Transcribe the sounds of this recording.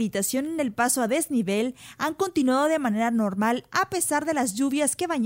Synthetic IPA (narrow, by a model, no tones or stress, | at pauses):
ɾit̪asjo̞nene̞lpaso̞aðe̞zniβelaŋko̞nt̪inwaðo̞ðe̞mãne̞ɾano̞ɾmalape̞saɾðe̞lazʝuβjaske̞βaɲ